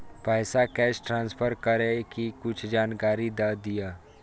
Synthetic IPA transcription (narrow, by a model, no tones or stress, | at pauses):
pɛːsakɛːsʈɾãːnspʰəɾkəɾẽkikʊt͡ʃʰd͡ʒaːnkaːɾid̪ad̪ijaː